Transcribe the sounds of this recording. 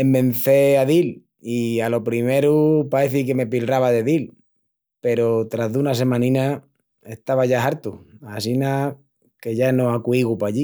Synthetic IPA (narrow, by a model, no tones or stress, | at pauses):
embẽ̞nθe̞aðil | ialo̞pɾime̞ɾupaeθikeme̞pilraβaðe̞ðil | pe̞ɾot̪ɾaðunase̞mãnĩna | e̞ht̪aβaʝaɦaɾt̪uasina | ke̞ʝanoakuiɣupaʎi